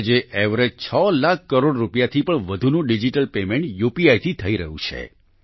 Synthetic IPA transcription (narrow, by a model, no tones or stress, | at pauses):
d͡ʒeʔeʋɾed͡ʒt͡ʃʰəlakʰːəɾoɽɾupjat̪ʰipəɳʋəd̪ʱunũɖid͡ʒiʈəlpemẽɳʈjupiajt̪ʰit̪ʰəiɾəɦṵ̃t͡ʃʰḛ